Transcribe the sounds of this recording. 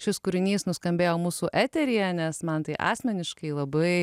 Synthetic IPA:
ʃʲɪskʊɾʲɪnʲiːsnʊskɐmʲbʲeːjoːmuːsuːʔæːt̪ʲɛɾʲijɛnʲɛsmɐnt̪ɐɪʔɑ̰ːsʲmʲɛnʲɪʃkɐɪlˠɐbɐɪ

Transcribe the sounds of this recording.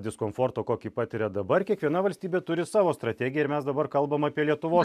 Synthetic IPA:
d̪ʲɪskoːmfoːɾt̪oːkoːkʲiːpɑːt̪ʲɪɾʲɛd̪ɐbɐrkʲiɛkʋʲiɛnɐʋɐlʲsʲt̪ʲiːbʲeːt̪ʊɾʲɪsɑːʋoːst̪ɾɐt̪ʲæːɡʲɪjɛɪɾmʲɛsd̪ɐbɐrkɐlˠbɐmɑːpʲiɛlʲiɛt̪ʊʋoːs

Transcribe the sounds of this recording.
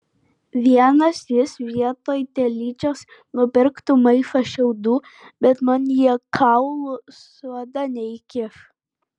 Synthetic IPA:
ʋʲiɛnɐsjɪsʋʲiɛt̪oːjt̪ʲɛlʲiːt͡ʃʲoːs | nʊpʲɪɾkt̪umɐɪfɐʃʲɛʊd̪uː | bʲɛt̪mɐnjiɛkʰɐʊlˠʊssuɔd̪ɐnʲɛɪkʲɪf

